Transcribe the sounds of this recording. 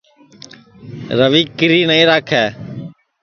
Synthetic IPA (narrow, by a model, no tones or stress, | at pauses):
ɾəʋiːkɪɾiːnəĩːɾaːkʰɛː